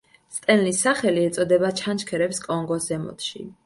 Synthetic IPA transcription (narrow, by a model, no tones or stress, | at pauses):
st̪ʼɛnlisːaχɛliɛt̪sʼɔd̪ɛbat͡ʃʰant͡ʃʰkʰɛɾɛpskʼɔŋɡɔsɛmɔ̰t̪ʰʃḭ